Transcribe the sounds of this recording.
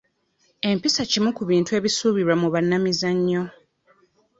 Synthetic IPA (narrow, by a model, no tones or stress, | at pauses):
e̞mpisacimukuβiːntue̞ːβisuːβiɾwamuβanːamizaɲːo̞